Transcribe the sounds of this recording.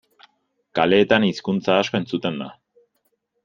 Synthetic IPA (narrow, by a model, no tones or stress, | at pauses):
kale̞ːt̪aniskunt͡saːsko̞e̞nt͡sut̪e̞nd̪a̰